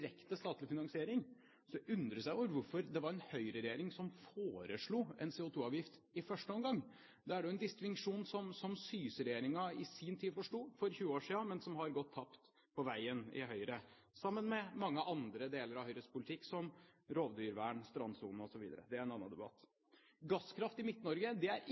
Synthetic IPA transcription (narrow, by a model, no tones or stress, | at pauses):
ɾɛkt̪əst̪ɑːt̪lɪfɪnɑŋsɪeːɾɪŋ | sɔd̪ɛʔʉnd̪ɾəsæɪɔɾʋʊɾfɔɾd̪ɛʋɑɾɛnhœʏɾəɾɛjeːɾɪŋsɔmfoːɾəʂɭuːɛ̰nseːʊt̪ʰuːɑːʋjɪft̪ɪfœʂʈəɔmɡɑŋː | d̪ɛæɖɛʊɛnd̪ɪst̪ʋɪŋʂuːnsɔmsɔmsyːsəɾɛjeːɾɪŋɑɪsiːnt̪ʰiːd̪fɔʂʈuːfɔɾçʉːəoːʂiːɑmɛnsɔmhɑɾɡɔt̪ʰːɑpt̪ | pʰɔʋæɪənɪ̰ɦœʏɾə | sɑmːənmɛmɑŋːəʔɑnd̪ɾəd̪eːləɾɑʋhœʏhəspʊlɪt̪ʰɪkːsɔmɾoːʋd̪yːɾʋæːɳst̪ɾɑnsuːn̩ɔsɔʋiːd̪ə̰ɾə̰d̪ɛæɾɛnɑnːɑ̰d̪ɛbɑ̰t̪ː | ɡɑskʰɾɑft̪ɪmɪt̪nɔɾɡəd̪ɛæɾ